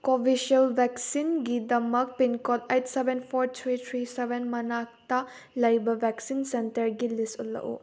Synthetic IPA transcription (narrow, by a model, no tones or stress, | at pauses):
kobʱisɐlbʱɛksinɡidɐmɐk̚pinkotejtsebenpʰoɾtʰɾitʰɾisebenmɐnak̚tɐ | lɐjbɐbʱɛksinsentɐɾɡilistulːɐ̰ʔṵ